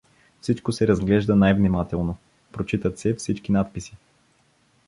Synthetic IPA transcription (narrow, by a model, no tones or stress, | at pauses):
fsit͡ʃkosɛɾɐzɡlɛʒd̪ənajvnimat̪ɛlˠno | pɾot͡ʃit̪ət̪sɛfsit͡ʃkinat̪̚pisi̥